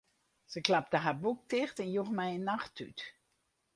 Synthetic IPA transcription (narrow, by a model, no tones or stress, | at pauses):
səklap̚təɦarbuk̚tɪxtɛnjuxmɛjənːaxty̰t